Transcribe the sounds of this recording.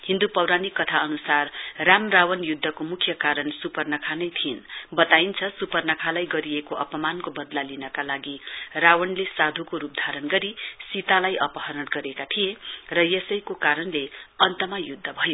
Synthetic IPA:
hĩnd̪upʌwɾanikːʌt̪ʰaʌnusarramrawʌnjud̪ʱːʌkomukʰjʌkaɾʌnsupʌrnʌkʰanʌjt̪ʰijenbʌt̪aint͡sʰʌsupʌrnʌkʰalajɡʌɾijekoʔʌpʌmankobʌd̪lalinʌkalaɡirawʌnlesad̪ʱukoɾup̚d̪ʱaɾʌnɡʌɾisit̪alajʔʌpʌɦʌɾʌɽɡʌɾekat̪ʰijerʌjesʌjkokaɾʌnleʌnt̪ʌmajud̪ʱːʌbʱʌjo

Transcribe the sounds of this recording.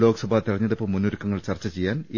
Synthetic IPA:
lo̞ːkɐsɐbʱaːt̪iɾɐɲːɐðepːɐmːunːuɾukːɐŋːɐɭt͡ɕɐrt͡ɕːɐt͡ɕejːaːne

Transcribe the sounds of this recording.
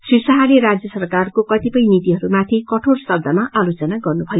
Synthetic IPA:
sisʌɦaleɾad͡zjʌsʌrkarkokʌt̪ipʌjnit̪iɦʌɾumat̪ʰikʌʈʰoɽsʌb̚d̪ʱamaʔalot͡sʌnaɡʌrnubʱʌjo

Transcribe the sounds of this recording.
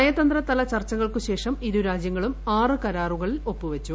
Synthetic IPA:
ɐjɐt̪ɐnd̪rɐt̪ɐlɐt͡ɕɐrt͡ɕːɐɣɐɭkɨɕe̞ːʂɐmiɾuɾaːd͡ʑjɐŋːɐɭumaːrɨkɐɾaːruɣɐɭilo̞pːɨuʋɐt͡ɕːu

